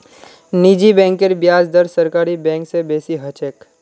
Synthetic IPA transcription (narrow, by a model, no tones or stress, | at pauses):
nid͡ʒibɛ̃ːŋkeɾbjaːd͡ʒd̪əɾsəɾkaːɾibɛ̃ːŋksebeːsiɦət͡ʃeːk